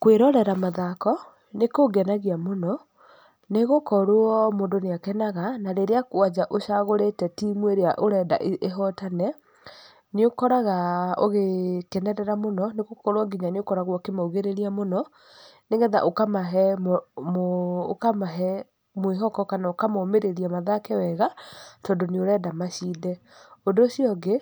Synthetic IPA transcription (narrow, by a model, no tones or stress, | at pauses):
kweɾɔɾɛɾamaðakɔ | nekoɡɛnaɣiamonɔ | neɣokɔɾoɔmoːndoneakɛnaɣanaɾeɾeakoad͡ʑaʔoɕaɣoɾetɛtimweɾeaʔoɾɛda̰ʔeeɦɔtanɛ | neokɔɾaɣao̰ɣekɛnɛɾɛɾamonɔneɣokɔɾwaɡiɲaneokɔɾaɣwɔkemauɣeɾeɾiamonɔ | neŋɡɛða̰ʔokamaɦɛmmoo̰kamaɦɛ | mweɦɔkɔkanaokamɔmeɾeɾiamaðakɛwɛɣatɔːndoneoɾɛdamaʃiːdɛ | ondoːsiɔɡe